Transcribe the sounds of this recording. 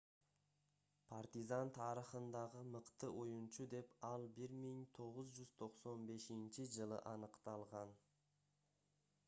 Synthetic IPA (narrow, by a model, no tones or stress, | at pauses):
pʰart̪izant̪ʰɑɾəχənd̪ɑʁəməqt̪əʔojənʃud̪e̞pɑlˠbɪɾmejnt̪ʰo̞ʁəzʒʏzt̪ʰo̞qsonbe̞ʃɪnʃɪʒəlˠə̰ʔɑnəqt̪ɑlˠʁɑn